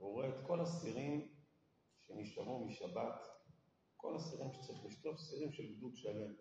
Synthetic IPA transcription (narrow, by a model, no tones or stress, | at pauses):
uʁeet̪ko̞lasiʁim | ʃeniʃlamumiʃabat̪ | ko̞̰lasiʁimʃe̥t͡saʁiχliʃt̪o̞fsiʁimʃelɡd̪ut̪ʃale̞m